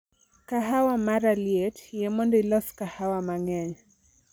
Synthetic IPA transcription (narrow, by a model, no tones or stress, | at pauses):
kaɦawamaɾaliɛtjɛmɔndɔilɔskahawamaŋɛɲ